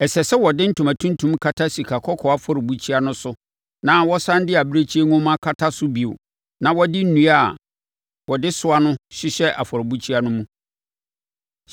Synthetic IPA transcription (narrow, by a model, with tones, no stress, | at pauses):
ɛ˨sɛ˨sɛ˦wɔ˨dɪ̃˦n̩˦tʰũ˨mã˨tʰũ˦n˦tʰũ˦mkʰa˦tʰa˦si˨kʰa˨kʰɔ˦kʰɔ˨a˦fɔ˦ɾɪ˨bu˦t͡ɕʰi˦a˦nʊ̃˦sʊ˦ | nã˨˦wɔ˦sã˦n˦dɪ˦a˨bɾe˦t͡ɕʰi˦e˦ŋʊ̃˦mã˦kʰa˦tʰa˦sʊ˦bi˨o̰˨ | nã˨wɔ˦dɪ˦n̩˦nũ˨a˦˨ | wɔ˨dɪ˦sʊ˦a˦nʊ̃˦ɕɪ˦ɕɛ˦ʔa˨fɔ˨ɾɪ˨bu˦t͡ɕʰi˦a˦nʊ̃˦mũ˦